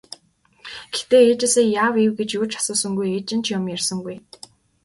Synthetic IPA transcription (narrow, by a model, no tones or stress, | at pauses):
ɡ̥ext̪eːeːt͡ɕɪ̆ɮseːjaːwiwɡet͡ɕjuːt͡ɕʰḁsʊːsə̆ŋɡujeːt͡ɕɪ̆nt͡ɕʰjʊmjarsə̆ŋɡuj